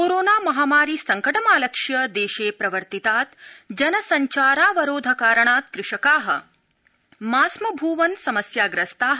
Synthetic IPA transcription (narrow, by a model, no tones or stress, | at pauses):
koːɾoːnaːmɐɦaːmaːɾisɐŋkɐʈɐmaːlɐkʂjɐd̪eːʃeːpɾɐʋɐɾt̪it̪aːt̪d͡ʒɐnɐsɐɲt͡ʃaːɾaːʋɐɾoːd̪ʱɐkaːɾɐɳaːt̪kɾɪʂɐkaːɦɐ̰̆ | maːsmɐbʱuːʋɐnsɐmɐsjaːɡɾɐst̪aːɦ